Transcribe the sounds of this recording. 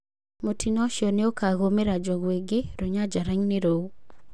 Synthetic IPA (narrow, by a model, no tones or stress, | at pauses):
motinɔʃjɔneokaɣomeɾad͡ʒɔɣweɡeɾoɲad͡ʒaɾaɲneɾo